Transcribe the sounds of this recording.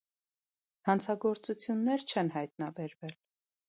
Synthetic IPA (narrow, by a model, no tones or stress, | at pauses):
hɑnt͡sʰɑɡɔɾt͡sut͡sʰjunːɛɾt͡ʃʰɛnɦɑjt̪nɑbɛɾvɛl